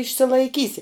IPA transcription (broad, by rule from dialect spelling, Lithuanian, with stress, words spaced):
ɪʃʲsʲɪlˠɐɪˈkʲiːsʲɪ